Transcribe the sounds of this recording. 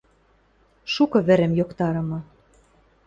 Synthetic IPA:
ʃukɤ̆βɘ̆ɾɘ̆mjokt̪ɑɾɤ̆mɤ̆

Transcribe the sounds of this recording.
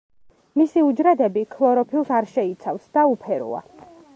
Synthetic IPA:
misiud͡ʒɾad̪ɛbikʰlˠɔɾɔpʰilˠsaɾʃɛit̪sʰafsd̪̥aupʰɛɾṵa̰

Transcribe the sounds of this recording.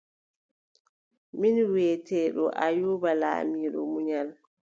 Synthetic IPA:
minwɛːtɛːɗɔ̰ʔajuːbala̰ːmiːɗɔ̰muɲal

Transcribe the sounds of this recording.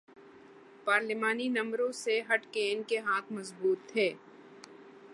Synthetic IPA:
paːɾlɪmaːninɐ̃mɾõseɦɐʈkeːnkeɦãːt̪ʰmɐzbuːt̪ʰːeː

